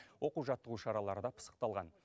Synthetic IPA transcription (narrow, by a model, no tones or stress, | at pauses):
wo̞quʒɑt̪ːəʁuʃɑɾɑlˠɑɾəd̪ɑpʰə̥sə̥qt̪ɑlˠʁɑn